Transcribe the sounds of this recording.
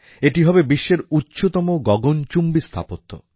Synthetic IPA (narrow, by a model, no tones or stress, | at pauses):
eʈiɦɔbebiʃːeɾutːɕot̪ɔmoɡɔɡont͡ɕumbist̪ʰa̰pot̪ʰːo̰